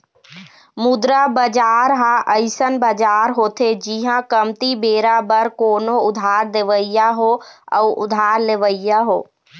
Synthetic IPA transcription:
mʊd̪ɾabəd͡ʒaːɾɦãʔəɪsənbəd͡ʒaːɾɦoːt̪ʰed͡ʒiɦãkəmt̪ibeːɾabəɾkoːnoʊd̪ʱaːɾd̪eʋəjaɦoə̰ːʊ̰d̪ʱaːɾleʋəijaɦoː

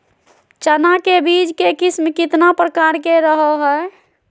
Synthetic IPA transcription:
t͡ʃənakebid͡ʒkekismkit̪napɾəkaɾkeɾəɦɔɦɛ

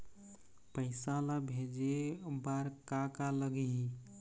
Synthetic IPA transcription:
pəɪsalabʱed͡ʒebaɾkakaləɡiɦi

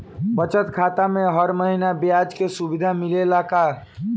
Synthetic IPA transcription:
bət͡ʃət̪kʰat̪ameɦəɾməɦinabjad͡ʒkesubid̪ʱamilelaka

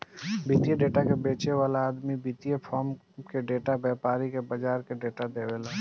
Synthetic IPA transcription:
bit̪ijeɖeːʈakebeːt͡ʃewaːlaːd̪mibit̪ijepʰɔːɾm | keɖeːʈabɛːpaːɾikebəd͡ʒaːɾkeɖeːʈad̪eːʋeːlaː

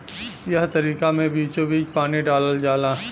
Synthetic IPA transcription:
jɐɦt̪ɐɾiːkamẽbiːt͡ʃobiːt͡ʃpaːniɖaːləld͡ʒaːlaː

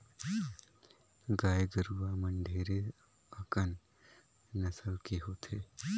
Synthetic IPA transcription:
ɡaːeɡəɾuʋaməɳɖʱeːɾe | ɐkən | nəsəlkeɦoːt̪ʰe

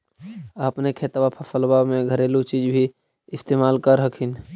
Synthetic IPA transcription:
əpnekʰeːt̪wapʰəpʰəlbamẽɡʱəɾeːlot͡ʃiːd͡ʒbʱi | ɪst̪eːmaːlkəɾɦəkʰin

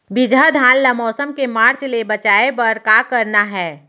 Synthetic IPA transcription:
bɪd̪ʱad̪ʱãːllamɔːsəmkemaːɾt͡ʃlebɐt͡ʃaːepɐɾkaːkɐɾnaɦɛː

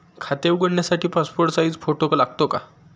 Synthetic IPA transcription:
kʰat̪eʋɡəɽɳjasaʈʰiːpaspoɾʈsaiːd͡zfoʈoklaɡt̪oka

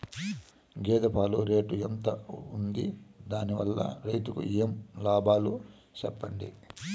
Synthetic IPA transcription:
ɡeːd̪ɐpʰaːluɾeːʈuent̪ɐund̪id̪aːniʋɐlːɐ̰ɾɐjt̪ukṵijemlaːbaːlu | t͡ʃɛpːɐɳɖḭ

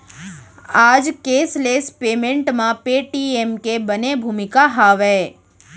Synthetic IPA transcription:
ad͡ʒkeslespemẽɳʈmãpeʈiemkebənebʱumikaɦaʋe

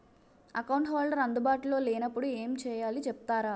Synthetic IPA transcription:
ɐkɐwɳʈʋaːɭːɐɾɐnd̪ubaːʈulo̞ːlɛːnɐpːuɽueːmt͡ʃɛːjaːlit͡ʃɛpu̥t̪aːɾaː

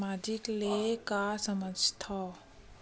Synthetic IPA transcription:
maːd͡ʒɪklekasəməd͡ʒt̪ʰa

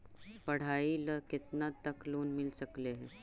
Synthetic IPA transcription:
pɐɽ̤aːiləkɪt̪nat̪ɐkloːnmɪlsɐkleɦɛː

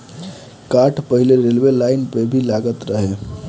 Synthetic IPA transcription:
kaʈʰpəɦileɾelbelajnpebʱilaɡət̪ɾəɦe

